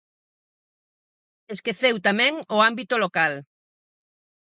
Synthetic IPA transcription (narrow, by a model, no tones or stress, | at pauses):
eskeθewt̪amɛ̃ŋʊambit̪olokal